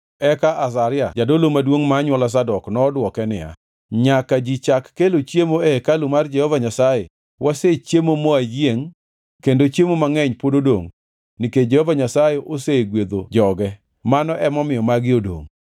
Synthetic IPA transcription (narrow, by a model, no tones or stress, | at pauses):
ɛkaʔas̬aɾɪad͡ʒadolomadwoŋmaːɲwɔlas̬adɔknɔːdwɔkɛnɪ̰ja̰ | ɲakad͡ʒit͡ʃakːelot͡ʃjemoɛkalumard͡ʒɛhɔvaɲasaje | wʔaset͡ʃjemomoajeŋ | kendot͡ʃemomaŋɛɲpododoŋ | nɪked͡ʒɛhɔvaɲasajeʔoseɡwed̪od͡ʒɔɡɛ | manɔʔɛmɔmɪjɔmaɡɪodo̰ŋ